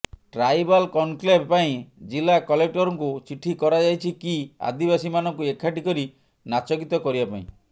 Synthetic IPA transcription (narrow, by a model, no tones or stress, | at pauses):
ʈɾajbalkɔnklebpaĩd͡ʒilakɔlek̚ʈɔɾɔŋkut͡ʃiʈʰːikɔɾad͡ʒajt͡ʃʰikia̰d̪ibasimanɔŋkuekʰaʈikɔɾi | nat͡ʃɔkit̪ɔkɔɾibapaḭ̃